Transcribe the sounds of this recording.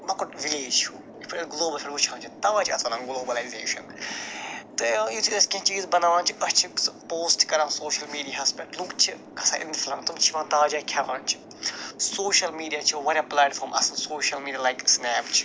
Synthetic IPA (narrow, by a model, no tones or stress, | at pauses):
mɐkuʈʋileːd͡ʒt͡ʃt͡ʃʰuː | ipʰiɐɡloːbɐlfʰʲiʈʋut͡ʃʰãːnt͡ʃʰit̪ɐʋãːt͡ʃʰiɐ̰sɐnãɡloːbɐlajzḛːʃɐ̰n | t̪ɨjut̪ʰid̪ɐskʲɐ̃ɦt͡ʃiːzbɐnaːʋãːnt͡ʃʰiɐt͡ʃʰipoːsʈkɐɾãːsoːʃɐlmiːɖiaɦɐspɛʈlũkt͡ʃʰi | kʰɐsaːʔɪ̰nd̪iflamt̪ũmt͡ʃʰiʋãːnt̪aʋaːd͡ʒakʲʰaːʋã̰ːnt͡ʃʰi̥ | soːʃɐlmiːɖijaːt͡ʃʰiʋɐnɐplaːʈfoːɾmʔɐ̰sɐnsoːʃɐlmiːɖijalajksnɛːpt͡ʃʰi̥